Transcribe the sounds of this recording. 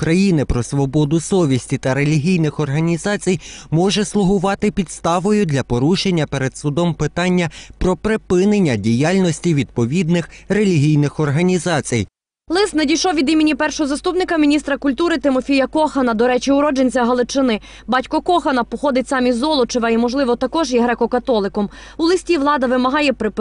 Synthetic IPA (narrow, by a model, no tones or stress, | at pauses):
kɾɐjinɪpɾɔsʋɔbɔd̪ʊsɔʋʲisʲtʲit̪ɐɾe̞lʲiɦʲijnɪxɔrɦɐnʲizɑt͡sʲijmɔʒɛslˠʊɦʊʋɑt̪ɪpʲid̪st̪ɑʋɔjʊd̪lʲɐpɔɾuʃenʲːɐpeɾed̪sʊd̪ɔmpɪt̪ɑnʲːɐpɾɔpɾepɪnenʲːɐdʲijalʲnɔsʲtʲiʋʲid̪̚pɔʋʲid̪nɪxrelʲiɦʲijnɪxɔrɦɐnʲizɑt͡sʲij | lˠɪsnɐdʲijʃɔwʋʲid̪imʲinʲipɛrʃɔɦɔzɐst̪upnɪkɐmʲinʲist̪ɾɐkʊlʲt̪uɾɪt̪ɪmɔfʲijɐkɔxɐnɐd̪ɔɾɛt͡ʃiʊɾɔd͡ʒenʲt͡sʲɐɦɐlˠɪt͡ʃɪnɪ | bɑtʲkɔkɔxɐnɐpɔxɔd̪ɪtʲsɑmʲizːɔlˠɔt͡ʃeʋɐimɔʒlˠɪʋɔt̪ɐkɔʒjɛɦɾɛkɔkɐt̪ɔlˠɪkɔm | ʊlˠɪsʲtʲiʋlˠɑd̪ɐʋɪmɐɦɑjɛpɾɪp